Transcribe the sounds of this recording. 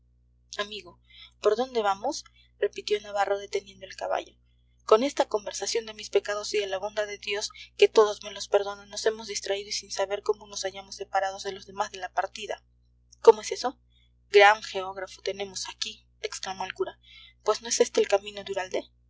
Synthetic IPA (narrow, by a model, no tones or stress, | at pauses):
amiɣo̞ | po̞ɾðo̞nd̪e̞βamo̞s | re̞pit̪jo̞naβaro̞ð̞e̞t̪e̞nje̞nd̪oelkaβa̰ʝo̞ | ko̞ne̞st̪ako̞mbe̞ɾsasjond̪e̞mispe̞kað̞o̞siðe̞laβond̪aðe̞ðjo̞ske̞t̪o̞ðo̞zme̞lo̞spe̞ɾðo̞nanːo̞se̞mozðist̪ɾaiðoisinsaβe̞ɾko̞mo̞no̞saʝamo̞sːe̞paɾað̞o̞zðe̞lozðe̞mazðe̞lapaɾt̪iða̰ | ko̞moe̞se̞so̞ | ɡɾaŋxe̞oɣɾafot̪e̞ne̞mo̞saki | eksklamo̞elkuɾa | pwe̞szno̞e̞se̞st̪e̞ːlkamĩno̞d̪uɾald̪e̞